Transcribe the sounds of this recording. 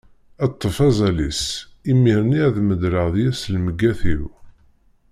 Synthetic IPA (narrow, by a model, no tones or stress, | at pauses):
æt̪ˤːəfæzˤælisimːiɾniæðməd̪ɾəʁðjæslməɡːæθiɾ